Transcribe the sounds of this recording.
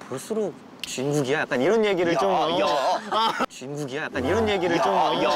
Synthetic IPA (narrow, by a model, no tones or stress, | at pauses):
puɭs͈ɯɾo | t͡ɕɥinɡuɡijajak͈aniɾʌnje̞ɡiɾɯɭt͡ɕ͈omʌʌ | t͡ɕɥinɡuɡiajak͈aniɾʌnje̞ɡiɾɯɭt͡ɕ͈omʌʌ